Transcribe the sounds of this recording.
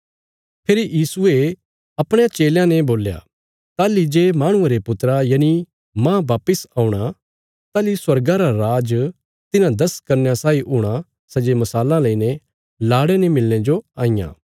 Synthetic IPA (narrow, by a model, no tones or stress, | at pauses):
pʰeːɾijiːsʊe | ɐpɽẽjãt͡ʃeːljãneboːlja̰ | t̪aːlid͡ʒemaːɽ̃ʊ̃ẽɾepʊt̪ɾajaːni | mãːʋaːpɪsaːũɽ̃a | t̪aːliswɐɾɡãɾaɾaːd͡ʒ | t̪ɪnãd̪ɐskɐɾnjasaːiɦʊːɽ̃a | sɐd͡ʒemɐsaːlãlɐinẽ | laːɽenemɪlñẽd͡ʒoaːĩjã̰ː